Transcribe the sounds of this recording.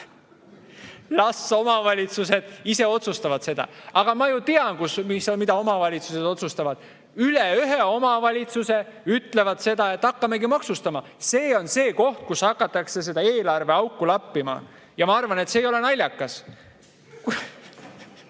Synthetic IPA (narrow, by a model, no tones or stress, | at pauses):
lɑsːo̞mɑvɑlʲit̪sus̬e̞d̪̥ise̞o̞t̪sust̪ɑvɑd̪̥se̞d̪̥ɑ̰ɑɡ̥ɑmɑjut̪iɑnkusmismid̪̥ɑo̞mɑvɑlʲit̪suse̞d̪o̞t̪sust̪ɑvɑd̪̥ | yleyɦeo̞mɑvɑlʲit̪suse̞yt̪ːˑle̞vɑd̪̥se̞d̪ɑe̞t̪ːɑkːɑme̞kimɑksust̪ɑmɑ | se̞ːo̞nse̞ːko̞ht̪̚kushɑkːɑt̪ːˑɑkse̞se̞d̪ɑe̞ːlɑrve̞ɑwkːˑulɑpːimɑ̰ | jɑmɑɑrvɑne̞t̪se̞ːjo̞le̞nɑlʲːjɑkːɑs | k